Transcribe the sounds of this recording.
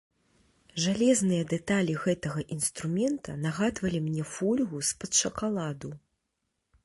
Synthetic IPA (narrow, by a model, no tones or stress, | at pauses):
ʐalʲɛznɨjɐd̪ɛt̪alʲiɣɛt̪ɐɣɐʔinst̪ɾumʲɛnt̪ʰɐnaɣad̪vɐlʲimnʲɛfulʲɣuspɐt̪ʂɐkalˠad̪u